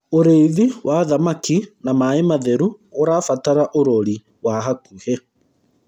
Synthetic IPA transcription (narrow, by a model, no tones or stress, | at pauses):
oɾeiðiwʔaðamakinamaemaðɛɾu | oɾaːfataɾaʔoɾoɾi | waɦakuhɛ